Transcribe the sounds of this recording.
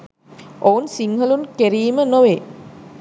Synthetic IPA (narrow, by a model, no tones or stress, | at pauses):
ounsiŋɦəlunkeɾiːmənoʋe